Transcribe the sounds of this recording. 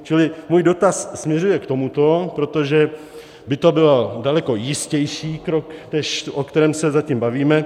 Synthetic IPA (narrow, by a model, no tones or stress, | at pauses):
t͡ʃɪlɪmuːjdo̞t̪assmɲɛrujɛkt̪o̞mut̪o̞pɾo̞t̪o̞ʒɛ | bɪt̪obɪladalɛko̞jɪscɛjʃiːkɾoknɛʃʔokt̪ɛɾɛːmsɛzacimbaviːmɛ